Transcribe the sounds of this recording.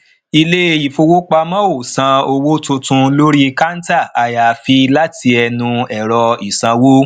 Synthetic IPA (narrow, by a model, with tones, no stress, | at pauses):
i˧le˦˧i˨fo˧wo˦k͡pa˧mã˦o˦˨sã˧o˧wo˦tũ˧tũ˧lo˦ɾi˦˧ka˦n̩˦ta˦˨a˨ja˨fi˧la˦tʰi˧ɛ˧nũ˧ɛ˨ɾɔ˧i˨sã˧wo˦